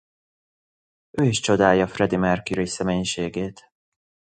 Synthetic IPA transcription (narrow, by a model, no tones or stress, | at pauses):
øːiʃt͡ʃo̞d̪aːjɒfrɛd̪imɛrkiɾisɛmeːɲʃeːɡeːt̪